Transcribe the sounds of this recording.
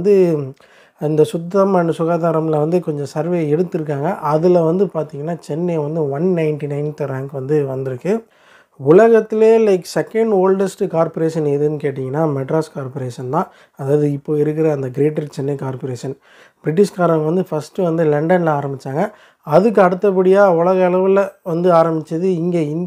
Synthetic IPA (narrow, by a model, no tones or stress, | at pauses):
nd̪ɯ | ɪnd̪ɐsʊd̪ːɐmɐnɯsʊɣaːðaːɾɐmlɐʋɐnd̪ɯkɔɲd͡ʒɔ̃sɐɾʋeːɛɽɯt̪ːɪɾɯk̬ːaːŋɡɐʔɐðɯlɐʋɐnd̪ɯpaːɾt̪ĩŋɡɐnːaːt͡ʃɛnːɐʋɐnd̪ɯʋɐnnɐɪɳʈinɐɪnt̪ɾaːŋkʋɐnd̪ɯʋɐnd̪ɪɾɯkːɯ | ʊlɐɣɐt̪ːɪleːlɐɪksɛkːɛɳɖoːlɖɐsʈkaːɾpɔɾeːʂɐnɛðɯnɯkeːʈ̬ːɪŋɡɐnːaːmɛʈɾaːskaːɾpoɾeːʂɐnt̪ãː | ɐðaːʋɐðɯɪpːoːɪɾɯkːɪɾɐɐnd̪ɐɡɪɾeːʈːɐɾt͡ʃɛnːɐkaːɾpoɾeːʂɐn | b̥ɾɪʈ̬ːɪʂkaːɾɐ̃mʋɐnd̪ɯfɐsʈɯʋɐnd̪ɯlɛɳɖɐnlaːɾɐmbɪt͡ʃːaːŋɡɐ | ɐðɯk̬ːɯɐɽɯt̪ːɐp̬ːɐɽɪjaːʊlɐɣɐɛlɐʋɯlʋɐnd̪ɯaːɾɐmbɪt͡ʃːɐðɯɪŋɡeːɪn